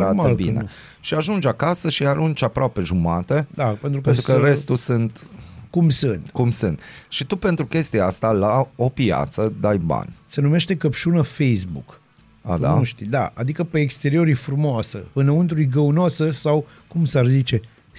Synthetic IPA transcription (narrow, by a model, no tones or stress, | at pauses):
ɾabḭne | ʃiaʒund͡ʒakasəʃiaɾunt͡ʃapɾoape̞ʒumat̪ed̪apent̪ɾukeənt̪ɾukəɾe̞st̪usɨnt̪kumsɨnt̪kumsɨnt̪ʃit̪upe̞nt̪ɾukʲe̞st̪ijaast̪alao̞pia̰t̪səd̪ajba̰nʲse̞nume̞ʃt̪e̞kəpʃunəfejsbṵk | a̰d̪a̰nuʃt̪id̪aa̰d̪ikəpeːkst̪eɾio̞ɾifɾumoasə̰ɨnəunt̪ɾujɡəunoasəsaw | kumsarzit͡ʃe̞